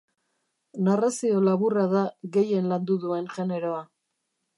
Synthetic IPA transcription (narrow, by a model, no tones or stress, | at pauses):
narasio̞laβuraðaɣe̞je̞nland̪uðue̞nʝe̞ne̞ɾo̞a